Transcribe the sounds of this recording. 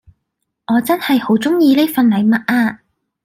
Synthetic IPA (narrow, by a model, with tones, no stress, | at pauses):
ʔɔː˨˧t͡sɐ˥nhɐ˨jho˨˥wt͡sʊ˥ŋjiː˧neː˥fɐ˨nlɐ˨˧jmɐ˨t̚ʔaː˧